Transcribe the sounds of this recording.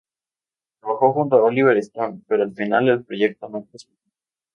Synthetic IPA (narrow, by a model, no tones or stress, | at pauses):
t̪ɾaβaxo̞xunt̪oaoliβeɾest̪onpe̞ɾoalfinale̞lpɾo̞ʝe̞k̚t̪onoet̪esmit̪o